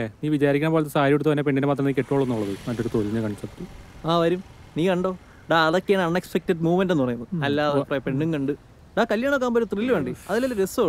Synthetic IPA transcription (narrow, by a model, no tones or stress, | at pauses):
eniːʋit͡ɕaːɾikʲːaːmboːlɐt̪̬ːesaːɾijeɽut̪ːɐt̪ɐnːep̬eɳːinemaːt̪rɐmniːkːeʈːoːɭːonːoːɭːɐðɨmɐtːo̞ɾut̪oliɲːɨkɐɳsɐptːɨaːʋɐɾum | niːkɐɳɖo̞ː | ɖaɐðo̞kːejaːɳɐɳːekspek̚teɖmuːmendenːɨpɐrɐŋjunːɐðɨɐlːaːɐðɐpːrɐepe̞ɳːuŋkɐɳɖɨ | ɖaːkɐljaːɳokːaːmboɾut̪rilːɨʋeːɳɖiɐðilːelːɐɾeso